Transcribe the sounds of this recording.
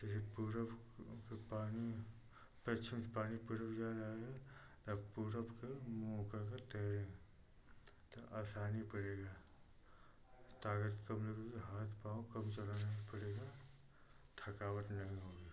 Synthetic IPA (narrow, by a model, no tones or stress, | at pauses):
d͡ʒɛsepuɾb | kepaːni | pɐt͡ʃʰimspaːnipʊɾəbd͡ʒaːɾɐɦeɡa | t̪ɐbpuːɾəbkemɔːkakat̪ɛɾẽ | t̪oʔaːsaːnipɐɽeːɡaː | t̪aːɡət̪kɐmlekkiɦaːt̪ʰpaːõkɐmt͡ʃɐlaːnapɐɽeːɡa | t̪ʰɐkaːʋəʈ̪nɐɦĩɦoːɡiː